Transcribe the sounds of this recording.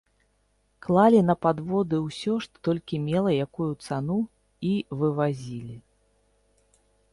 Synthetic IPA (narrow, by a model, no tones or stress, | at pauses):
klˠalʲin̪ɐpad̪vɔd̪ɨwsʲɔʂt̪ɔ̥t̪ɔlʲkʲimʲɛlˠɐjakujut̪sanu | ivɨvazʲilʲi